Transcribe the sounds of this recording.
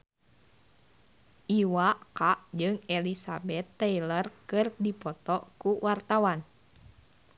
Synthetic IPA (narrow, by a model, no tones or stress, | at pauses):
ʔiwakaʔd͡ʒɨŋɛlisabɛt̪ːɛilərkɨrdipɔt̪ɔkuwart̪awan